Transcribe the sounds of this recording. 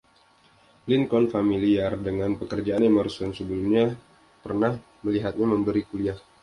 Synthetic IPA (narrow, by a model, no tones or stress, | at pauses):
linkɔnfamiliardəŋanpəkərd͡ʒaanemərsɔnsəbəlumɲa | pərnah | məliɦat̪̚ɲaməmbəɾikuliah